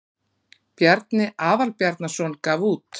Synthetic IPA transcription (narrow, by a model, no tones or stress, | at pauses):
pjaɾt̪nɪʔaːvalpjaɾt̪nasɔnkaːvuːt̪